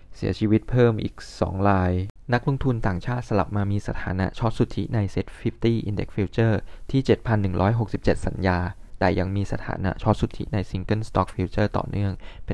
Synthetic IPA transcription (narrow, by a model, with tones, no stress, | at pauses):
si˨˩˦ɐt͡ɕʰiː˧wi˦˥t̪̚pʰɤː˥˩mʔḭː˨˩k̚sɔ̰ː˩˦ŋɾaː˧jna˦˥k̚lo˧ŋt̪ʰu˧nt̪aː˨˩ŋt͡ɕʰaː˥˩t̪̚sa˧la̰˨˩p̚maː˧miː˧sa˧˩t̪ʰaː˩˦na̰˦˥ʔt͡ɕʰɔ˦˥p̪̚su˨˩t̪ʰːḭ˦˥na˧jse˦˥t̪̚fʰi˦˥p̚t̪iː˥˩ʔi˧ndḛ˦˥k̚fi˧wt͡ɕɤː˥˩t̪ʰiː˥˩t͡ɕe˨˩t̪̚pʰa˧nːɯ˨˩ŋɾʔɔː˦˥jɦo˨˩k̚si˨˩p̚t͡ɕe˨˩t̪̚sa̰˩˦njaː˧da̰ː˨˩ja˧ŋmiː˧sa˧t̪ʰa̰ː˩˦na̰˦˥ʔt͡ɕʰɔ˦˥p̚su˨˩t̪ʰːḭ˦˥na˧jsi˧ŋkɤ˥˩nst̪ɔː˦˥k̚fʰi˧wt͡ɕɤː˥˩t̪ɔ̰ː˨˩nɯ˥˩əŋpe˧